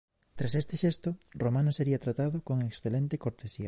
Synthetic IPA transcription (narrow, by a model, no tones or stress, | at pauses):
t̪ɾasest̪eʃest̪oromãnoseɾiat̪ɾat̪aðokoŋeksθelent̪ekoɾt̪esia̰